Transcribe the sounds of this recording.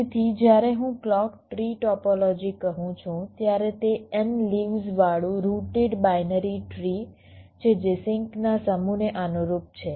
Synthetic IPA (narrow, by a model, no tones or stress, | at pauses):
t̪ʰid͡ʒjaɾeɦũklɔkʈɾiʈɔpɔlɔd͡ʒikəɦũt͡ʃʰũt̪jaɾet̪eənliʋzʋaɭũɾuʈeɖbajnəɾiʈɾi | t͡ʃʰed͡ʒesɪŋknasəmuneʔanuɾup̚t͡ʃʰe